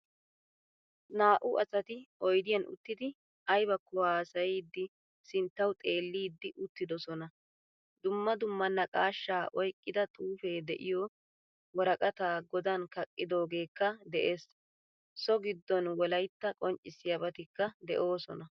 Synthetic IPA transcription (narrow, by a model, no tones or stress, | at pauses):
naːʔʊʔɐsɐt̪ɪʔɔjd̪ɪjɐnʊ̰t̪ːɪd̪ɪ | ɐjbɐkːɔaːsɐjiːd̪ːɪ | sɪnt̪ːɐwt̪ʼe̞ːlːiːd̪ːɪʔʊt̪ːɪd̪ɔsɔnɐ | d̪ʊmːɐd̪ʊmːɐnːɐkʼaːʃːaːʔɔjkʼːɪd̪ɐt̪ʼuːfe̞ːd̪ɛʔɪjɔ | wɔɾɐkʼɐt̪aːɡɔd̪ɐnkɐkʼːɪd̪o̞ːɡe̞ːkːɐd̪ɛʔe̞ːs | sɔɡɪd̪ːɔnwɔlɐjt̪ːɐkʼɔnt͡ʃʼːɪsːɪjɐbɐt̪ɪkːɐd̪ɛʔo̞ːsɔ̰nɐ